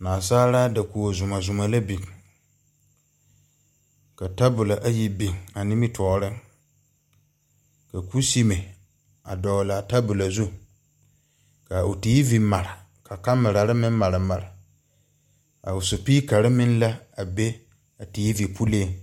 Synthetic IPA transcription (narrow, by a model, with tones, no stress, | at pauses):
naː˨saː˦ɾa˦da˨ku˨o˨zʊ˨ma˨zʊ˨ma˨la˦bi˨ | ka˨ta˦bʊ˨la˨ʔa˦ji˨bi˨ŋa˨nɪ˦mi˦tʰɔː˨ɾɪ˦ŋ | ka˨ku˦si˦me˨ | a˨dɔ˨la˨ta˦bʊ˨la˨zu˦ | ka˨ʊ˨tiː˦vi˨ma˨ɾɪ˨ | kʰa˨ka˦mɪ˨ɾa˨ɾɪ˦mɪ̃˦m˦ma˨ɾɪ˨ma˨ɾɪ˨ | a˨ʊ˨su˨piː˦ka˨ɾɪ˦mɪ̃˦n˦la˦a˨be˦ | a˨tiː˨˦vi˨pʰu˦leː˦˨